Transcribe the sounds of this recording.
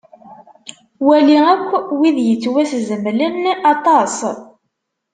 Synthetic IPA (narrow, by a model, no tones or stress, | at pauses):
wæliækʷːwiðjət͡sːwæszəmlənːɑt̪ˤɑs